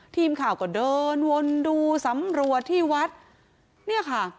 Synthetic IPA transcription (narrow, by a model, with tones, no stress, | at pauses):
t̪ʰiː˧mkʰaː˨˩wkɔː˧˩dɤː˧nwo˧nduː˧sa˨˩˦mɾu˨˩ət̪ʰːiː˥˩wa˦˥t̪̚ | ni˥˩ɐkʰa˥˩